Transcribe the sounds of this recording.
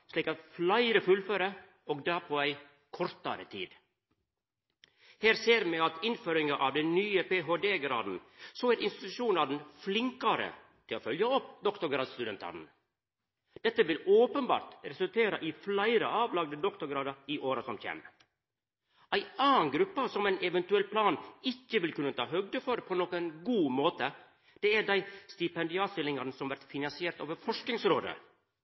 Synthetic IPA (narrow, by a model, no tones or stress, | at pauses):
ʂliːkɑt̪flæɪɾəfʉlføːɾə | oːɡd̪æːpʰoæɪ | kʰɔɾt̪ɑɾə̰t̪ʰḭːd̪ | heːɾseːɾmɛɑt̪ɪnføːɾɪŋɑʔɑʋd̪ɛnnyːəpeːɦoːd̪eːɡɾɑ̰ːd̪n̩soæɾɪnst̪ɪt̪ʉʂuːnɑd̪nflɪŋkɑɾə̰ | t̪ʰɪloːfœljɑɔpd̪ɔkt̪ʊɾɡɾɑːd̪st̪ʉd̪ɛnt̪ʰɑ̰nn̩ | d̪̥ɛt̪ːəʋɪloːpənbɑ̰ːɾt̪ɾɛsʉlt̪ʰeːɾɑʔɪflæɪɾə̰ʔɑːʋlɑɡ̚d̪əd̪ɔkt̪ʊɾɡɾɑːd̪ɑɾiʔoːɾɑsɔmçḛːm | æɪʔɑːnɡɾʉpːɑsɔmɛɪnʔɛʋɛnt̪ʉɛlːpʰlɑːnɪçːəʋɪlkʉnːət̪ʰɑ̰ːɦœɡd̪əfɔɾpʰɔnoːkænɡuːmoːt̪ə | d̪̥ɛæɖæɪst̪ɪpɛnd̪ɪɑːst̪ɪlːɪŋɑɾnəsɔmʋæɾt̪fɪnɑnsɪeːɾt̪oːʋəɾfɔʂknɪŋsɾoːd̪ə̰